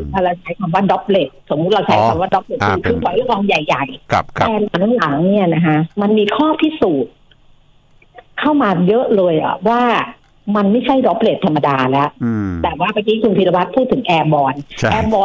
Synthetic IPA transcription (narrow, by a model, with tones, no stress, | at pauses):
a˧˩ɾa˧wt͡ɕʰa˦˥jk̪ʰa˧mwaː˥˩dɔ˦˥p̚le˨˩t̪̚so˩˦mːu˦t̪̚ɾa˧wt͡ɕʰa˦˥jk̪ʰaː˧mwaː˥˩dɔ˦˥p̚le˨˩i˧˩kʰɯː˧kʰɔ˨˦jɾʔɔː˧ŋja˨˩jːa˨˩jʰɛː˨˩la˩˦ŋ˦ŋla˩˦ŋni˥˩ɐna˦˥kʰa˦˥ma˧nmiː˧kʰɔː˥˩pʰi˦˥suː˨˩t̪̚ | kʰa˥˩wmaː˧jɤ˦˥ʔlɤː˧jʔa̰˨˩waː˥˩ | ma˧nma˥˩jt͡ɕʰa˥˩jdɔ˦˥p̚le˨˩t̪ʰːa˧mːa˧daː˧lɛ˦˥t̪ɛː˨˩waː˥˩ma˧kiː˦˥kʰu˧nsʰi˧la˧wʰa˦˥t̪̚pʰuː˥˩t̪ʰːɯ˩˦ŋʔɛː˧bɔː˧nʔɛː˧bɔː˧